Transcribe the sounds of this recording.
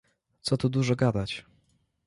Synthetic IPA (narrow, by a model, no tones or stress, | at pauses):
t̪sɔt̪ud̪uʐɔɡad̪at͡ɕ